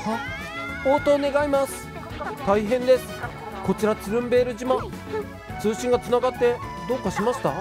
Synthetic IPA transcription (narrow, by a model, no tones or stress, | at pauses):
a | o̞ːt̪o̞ːne̞ɡaimasɨ̥ | t̪aiɦẽ̞nd̪e̞sɨ̥ | ko̞t͡ɕiɾat͡sɨɾɯ̟̃mbe̞ːɾɯ̟ʑimã | t͡sɨːɕĩŋɡat͡sɨnaɡat̪ːe̞ | d̪o̞kːaɕimaɕi̥t̪a